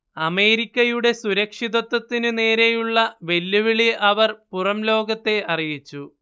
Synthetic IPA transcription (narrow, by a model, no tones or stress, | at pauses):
ɐme̞ːɾikʲːɐjuɽe̞suɾɐkʂiðɐt̪ːɐt̪ːinɨne̞ːɾe̞juɭːɐʋe̞lːuʋiɭiʔɐʋɐrpurɐmlo̞ːɡɐt̪ːe̞ʔɐrijit͡ɕːu